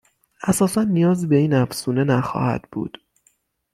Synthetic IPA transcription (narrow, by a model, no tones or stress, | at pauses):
æsɒːsænːijɒːzibe̞iːnæfsuːne̞næxɒ̰ːhæ̰d̪̥bṵːd̪̥